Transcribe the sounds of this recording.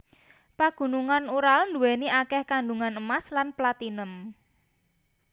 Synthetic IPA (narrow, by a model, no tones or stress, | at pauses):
paɡ̥ṳnuŋanuɾalnd̪ṳwɛniakɛhkanɖuŋanəmaslanplat̪inəm